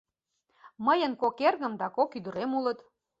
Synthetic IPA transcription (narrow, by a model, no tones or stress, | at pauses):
məjənkokerɣə̆md̪ɑkokyd̪ə̆ɾemulət̪